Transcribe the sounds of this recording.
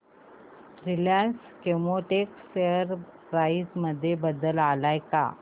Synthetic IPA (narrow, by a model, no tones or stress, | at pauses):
ɾiljaɳs | kemoʈekseəɾ | ɾaisməd̪ʱːjebəd̪əlalajka̰